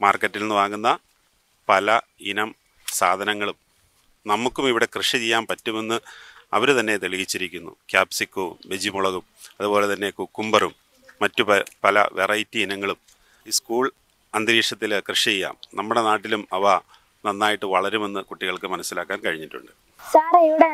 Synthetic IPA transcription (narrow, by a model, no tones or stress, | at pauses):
maːrkːɐtːilnːɨʋaːŋɡunːɐ | pɐlɐ | inɐm | saːd̪ʱɐnɐŋːɐɭum | nɐmːukːumiʋiɽe̞krɨʂɐt͡ɕejːaːnpɐtːume̞nːɨɐ̰ʋɐɾut̪ɐnːe̞t̪eɭiɣit͡ɕːiɾikʲːunːṵkʲjaːpsikːo̰ːmʋed͡ʑimuɭɐɣumɐðubo̞ːlet̪ɐnːe̞kukːumbɐrumː | ɐtːupɐpɐlɐ̰ʋʔerɐjtːiinɐŋːɐɭum | iskuːɭ | ɐnd̪ɾiːʂɐt̪ːilkrɨʂɐt͡ɕejːa̰ːmnɐmːuɽe̞naːʈːilumɐʋɐ | nɐnːaːjiʈːɨʋɐɭɐɾume̞nːɨkuʈːiɣɐɭkɨmɐnɐsːilaːkːaːnkɐɻiɲːiʈːṵɳɖɨ | saːɾiʋiɽe